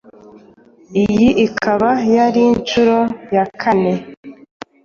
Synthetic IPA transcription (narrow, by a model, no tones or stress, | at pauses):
ijiʔikʰaβajaɾint͡ʃuɾojakʰane̞